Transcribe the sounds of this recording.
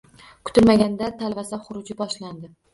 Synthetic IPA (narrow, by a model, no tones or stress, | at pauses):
kʰʊ̥t̪ʰɪlmaɡʲand̪at̪ʰalvasaχʊɾʊd͡ʒɪbɒʃland̪ɪ